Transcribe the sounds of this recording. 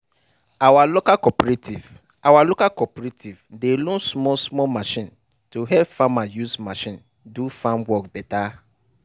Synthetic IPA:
awalokakɔpɾetiv | awalokakɔpɾetʰivdelõnsmɔsmɔmaʃĩn | tuɦɛpfamajusmaʃĩn | dufãmwɔkbɛta

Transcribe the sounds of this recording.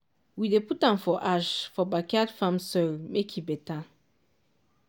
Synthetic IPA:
wideputãmfɔʔaʃfɔbakadfãmsɔlmekʰibetã

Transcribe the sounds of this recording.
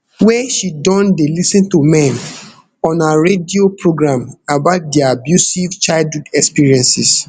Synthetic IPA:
wɛʃidɔ̃ndelisɛ̃ntumɛ̃n | ɔ̃naɹediopʰɹoɡɹãmabaʊt̚diaabjusivt͡ʃaɪldhudɛkspiɹiɛ̃nsis

